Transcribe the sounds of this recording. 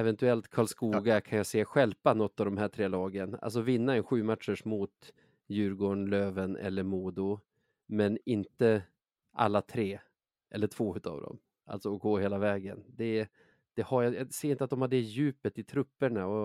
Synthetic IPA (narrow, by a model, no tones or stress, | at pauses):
ɛvɛnt̪ɵɛlt̪kʰɑːɭskuːɡakʰanjaseːɧɛlpanɔt̪ːɑvd̪ɔmɦæːʈʰɾeːlɑːɡəna̰ls̬ɔvɪnːaɛnɧʉ̟ːmat̪ʂəʂmut̪ | jʉ̟ːɾɡoːɳløːvənɛ̰lːəɾmuːd̪ʊ | mɛnɪnt̪ə | ʔa̰lːat̪ʰɾeː | ʔɛlːəʈʰv̥oːʉ̟ːt̪ɑ̰vd̪ɔ̰m | ʔa̰lt̪sɔɔɡoːheːlavɛːɡə̰nd̪ɛ | d̪̥ɛhaɾjajasɛːɾɪnt̪əat̪d̪ɔmhaɖɛjʉ̟ːpət̪ɪt̪ʰɾɵpːəɳaɔ